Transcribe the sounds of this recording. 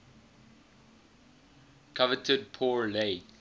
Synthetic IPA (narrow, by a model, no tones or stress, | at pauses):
kʰavətʰəd̚pʰɔːɹleɪ